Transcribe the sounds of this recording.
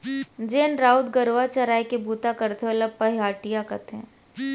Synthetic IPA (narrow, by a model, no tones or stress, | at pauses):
d͡ʒeːnɾaːʊd̪ɡɐɾoːat͡ʃɐɾaːekebuːt̪akɐɾt̪eɦolɐpɐɦiɦaːʈijakɐt̪ʰɛ̰̃ː